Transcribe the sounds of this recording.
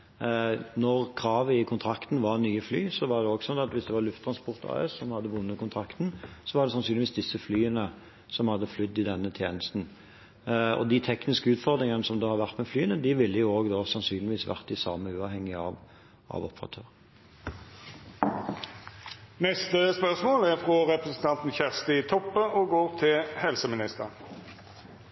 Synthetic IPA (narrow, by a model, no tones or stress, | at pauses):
nɔʁkʰʁɑːʋəɪkʰʊnt̪ʰɾɑkt̪n̩ʋɑʁnyːəflyːsɔʋɑʁd̪ɛoːɡsɔnːɑt̪ʋɪsd̪ɛʋɑɾlʉft̪ʰɾɑnspʰʊʁt̪ʰɑ̰ːɛ̰sːɔmhɑd̪ːəʋʊnːəkʊnt̪ʰʁɾɑkt̪n̩sɔʋɑɾd̪ɛsɑnsyːnʋiːsd̪ɪsːəflyːənə | sɔmhɑd̪ːəflʏd̪ːɪd̪ɛnːət̪ʰjeːnəst̪n̩ | ɔ̰d̪ɪt̪ʰɛknɪskəʉːt̪fɔʁd̪ʁɪŋənəsɔmd̪oːhɑʁʋæʁt̪mɛflyːənəd̪ɪʋɪlːəjʊoːɡd̪oːsɑnsyːnlɪʋiːsʋæ̰ʁt̪ɪsɑːməʉːɑʋhɛŋːɪɑʋ | ʔɑ̰ʋɔpəʁɑ̰t̪ʰøːʁ | nɛst̪əspœʁsmoːlæʁfʁɔʁɛpʁɛsn̩t̪ʰɑnt̪n̩çæʁst̪ɪt̪ʰɔpːəɔɡoːʁt̪ʰɪlhɛlsəmɪnɪst̪əʁ